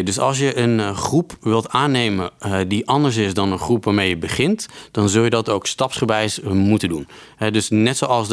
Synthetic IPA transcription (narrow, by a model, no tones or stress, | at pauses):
dɵsɑ̰lˠs̬jəʔənχrupʋɪlˠtaːnejməndiʔɑndəɹs̬ɪsdɑnənχrupʋaːɹmejəbəχɪntd̥ɑnzɵlˠjədɑtowkstɑpsχəbɛjsmutəndunɦɛdɵsnɛtsowɑlˠs